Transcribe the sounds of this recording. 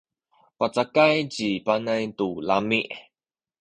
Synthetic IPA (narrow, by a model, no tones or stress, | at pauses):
pat͡sakajt͡ɕipanajtulamiʔ